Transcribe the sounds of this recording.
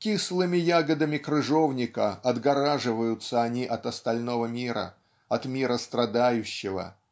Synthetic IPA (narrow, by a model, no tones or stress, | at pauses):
kʲislˠɨmʲɪjaɡəd̪əmʲɪkɾɨʐovnʲɪkəɐd̪ɡɐɾaʐɨvəjʊt̪səɐnʲiʔɐt̪ɐst̪ɐlʲno̞vəmʲiɾə̰ | ɐt̪mʲiɾəst̪ɾɐd̪ajʉɕːɪvə̰